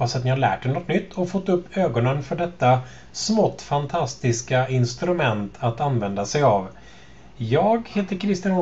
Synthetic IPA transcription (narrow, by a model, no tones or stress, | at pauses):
pasat̪nɪhaɭlæ̰ːʈ̚ɖɛnɔt̪nʏt̪ʰːɔfɔt̪ːɵpːøːɡɔnənfœɖɛt̪ːa | smɔt̪ːfant̪ʰast̪ɪskaɪnst̪ɾɵmɛnt̪ʰat̪anvɛnd̪asɛjav | jɑːɡheːt̪əɾkʰɾɪst̪ɪn